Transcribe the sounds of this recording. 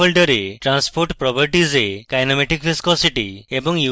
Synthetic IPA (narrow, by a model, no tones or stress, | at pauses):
ɔlɖɔɾeʈɾanspoɾʈpɾɔpəɾʈizekajnɔmeʈikpʰiskɔsiʈiebɔŋju